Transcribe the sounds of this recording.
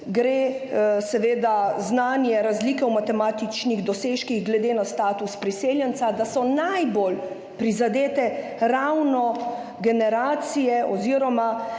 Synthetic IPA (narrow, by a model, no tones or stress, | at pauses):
ɡɾeːsɛʋeːd̪aznaːnjɛɾazliːkɛwmat̪ɛmaːt̪it͡ʃniɣd̪ɔseːʃkiɣɡlɛd̪eːnast̪aːt̪uspɾiseːljɛnt̪sad̪asɔnajbol | pɾizad̪eːt̪ɛ | ɾawnɔ | ɡɛnɛɾaːt̪sijɛʔɔziɾɔma